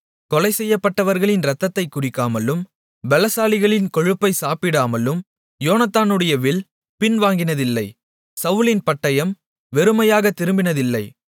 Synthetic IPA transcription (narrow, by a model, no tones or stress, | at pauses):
kɔlɐɪsɛjːɐpːɐʈːɐʋɐɾɣɐɭɪnɾɐt̪ːɐt̪ːɐɪkːʊrɪkːaːmɐlɯm | ʋɛlɐsaːlɪɣɐɭɪnkɔɻɯpːɐɪsaːpɪɽaːmɐlɯm | joːnɐt̪ːaːnɯɽɐjɐʋɪɭ | pɪnʋaːŋɡɪnɐðɪlːɐɪ | sɐʋɯlɪnpɐʈːɐjɐm | ʋɛɾɯmɐjaːɣɐt̪ːɪɾɯmbɪnɐðɪlːɐɪ